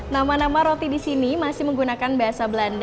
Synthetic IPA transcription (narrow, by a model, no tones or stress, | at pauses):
namanamaɾot̪idisinimasɪhməŋɡunakanbaɦasabəlanda